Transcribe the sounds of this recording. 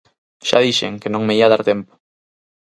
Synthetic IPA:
ʃa̰ðiʃeŋkenõŋmeiaðaɾt̪ɛmpʊ̥

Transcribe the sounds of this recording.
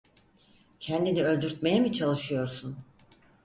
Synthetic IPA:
cʰɛnd̪iniø̞lʲd̪yɾt̪me̞jɛmit͡ʃʰalˠɯʃɯjo̞ɾsun

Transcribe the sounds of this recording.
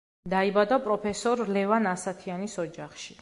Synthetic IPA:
d̪aibad̪apʼɾɔpʰɛsɔɾlɛvanasat̪ʰianisɔd͡ʒaχʃi

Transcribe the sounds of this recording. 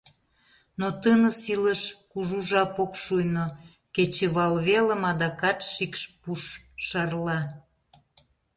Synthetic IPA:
not̪ənəsiləʃkuʒuʒɑpokʃujno | ket͡ɕeβɑlβelə̆mɑd̪ɑkɑt̪ʃikʃpuʃʃɑrlɑ

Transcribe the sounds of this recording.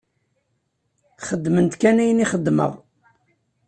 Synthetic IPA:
χəd̪ːmənt̪kænæjəniχəd̪ːmə̰ʁ

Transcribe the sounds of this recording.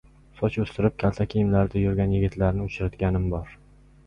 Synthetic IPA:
sɒt͡ʃɵst̪ɪɾɪp̚kʲʰalˠt̪ʰakʲʰijmlaɾd̪ajʊɾɡʲanjɪɡʲɪt̪ʰlaɾnɪʊt͡ʃʰɾat̪ɡʲanɪmbɒɾ

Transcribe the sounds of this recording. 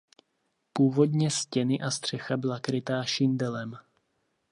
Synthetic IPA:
puːvo̞dɲɛscɛnɪʔast̪r̥ɛxabɪlakɾɪt̪aːʃɪndɛlɛm

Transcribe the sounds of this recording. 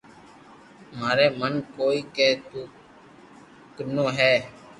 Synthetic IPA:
maːɾeːmənkoːiːkeːt̪uː | kənoːɦɛː

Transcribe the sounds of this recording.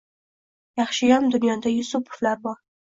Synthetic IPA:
jɑχʃɪjɒmd̪ʊnjɒd̪ajʊsʊpʰʊ̥flaɾbɒɾ

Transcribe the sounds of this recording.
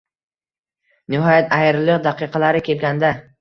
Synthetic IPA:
nɪɦɒjat̪ajɾlɪqd̪aqɨqʰɑlaɾɪkʲʰe̞lɡʲand̪a

